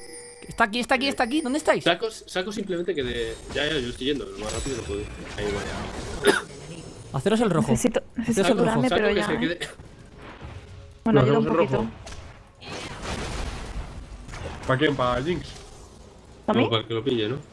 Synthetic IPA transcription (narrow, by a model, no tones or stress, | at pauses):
kest̪akiest̪ak̬iest̪ak̬iðond̪e̞st̪ajsakossakosimplement̪ekeðeʝaʝajo̞est̪ojʝend̪olomasrapiðonopweðuaiβaja̰ | aθe̞ɾos̬elroxesit̪oneseseaselraomesaeɾʝaseeðe | enoaθeɾðaumselproit̪o | pakjempaʎiŋks | t̪ampaɾakelopiʎeno